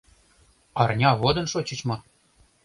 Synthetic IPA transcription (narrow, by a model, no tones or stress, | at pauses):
ɑrnʲɑβod̪ɤ̆nʃot͡ɕɤ̆t͡ɕmɤ̆